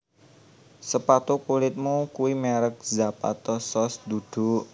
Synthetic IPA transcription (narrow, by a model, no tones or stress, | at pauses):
səpat̪okulɪt̪̚mukuwimɛɾək̚zapa̰t̪ɔsɔsd̪ud̪̥ṳʔ